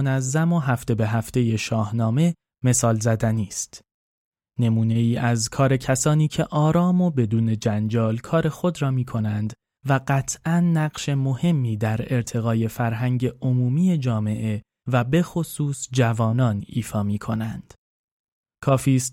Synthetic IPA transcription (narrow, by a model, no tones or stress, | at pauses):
næzːæmo̞ɦæft̪e̞be̞ɦæft̪e̞je̞ʃɒːhnɒːme̞ | me̞sɒːlzæd̪æniːst̪ | ne̞muːne̞iːʔæzkʰɒːɾe̞cʰæsɒːniːcʰe̞ʔɒːɾɒːmo̞be̞d̪uːne̞d͡ʒænd͡ʒɒːlkʰɒːɾe̞xo̞d̪ɾɒːmiːkʰo̞nænd̪ | væɢæt̪ʰʔænːæɢʃe̞mo̞he̞mːiːd̪æɾe̞ɾt̪ʰe̞ɣɒːje̞fæɾɦæɲɟe̞omuːmiːe̞d͡ʒɒːme̞ʔe̞ | væbe̞xo̞suːsd͡ʒævɒːnɒːniːfɒːmiːkʰo̞nænd̪̥ | kʰɒːfiːst̪